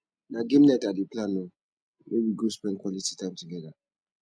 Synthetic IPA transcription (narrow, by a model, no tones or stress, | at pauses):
naɡẽmnɛtadeplãnːo | mewiɡospɛ̃nkʰwɔliti̥tʰãɪ̃mtuɡɛða